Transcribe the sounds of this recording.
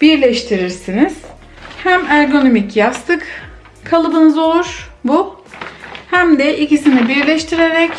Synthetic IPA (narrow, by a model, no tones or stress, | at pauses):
b̥iɾlʲɛʃt̪ʰiɾiɾsiniz̥ | hæmæɾɡo̞no̞micjast̪ʰɯk | kʰalˠɯbɯnɯzo̞lˠuɾ̥bu | hæmd̪ɛʔicisinibiɾlʲɛʃt̪ʰiɾeɾɛc